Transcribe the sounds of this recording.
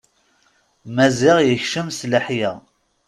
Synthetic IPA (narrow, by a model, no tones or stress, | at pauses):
mæzɪʁjəçʃəmsləħjæ